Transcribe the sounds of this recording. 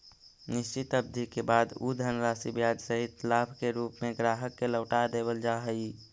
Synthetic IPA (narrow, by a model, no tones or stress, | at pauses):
nɪst͡ʃɪt̪əbd̪ʱikebaːd̪ud̪ʱənɾasibjaːd͡ʒsəɦit̪labʱkeɾuːpmẽɡɾaːɦəkːeləʊʈad̪eːbəld͡ʒaɦəi